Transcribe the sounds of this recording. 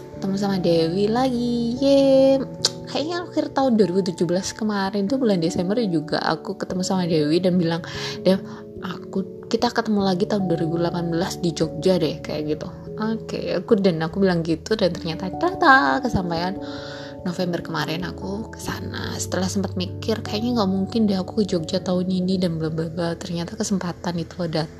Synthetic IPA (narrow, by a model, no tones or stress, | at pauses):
kt̪əmus̬amadewilaɡije | kajiŋaaxɪrt̪aʊnduaɾibut̪ud͡ʒuhbəlaskəmaɾɪnt̪umulandesɛmbərd͡ʒuɡa̰a̰kukət̪əmusamadewidanbilaŋdɛ | ʔaku | kit̪akət̪əmulaɡit̪aʊnduaɾibulapanbəlasdid͡ʒok̚d͡ʒadɛhka̰ja̰ʔɡit̪u | okḛakudanakubilaŋɡit̪udant̪ərɲat̪at͡ʃat̪akəsampajan | nofɛmbərkəmaɾɛnakukə̥sa̰na̰sə̥t̪əlahsəmpat̪̚mikɪrkajaʔɲaŋɡaʔmuŋkɪndɛɦaku̥kəd͡ʒok̚d͡ʒat̪aʊninidanbəlambabat̪ərɲat̪akəsəmpat̪anit̪uada